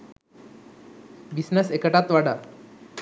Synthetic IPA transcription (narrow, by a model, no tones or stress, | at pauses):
bisnəsekəʈat̪ʋaɽa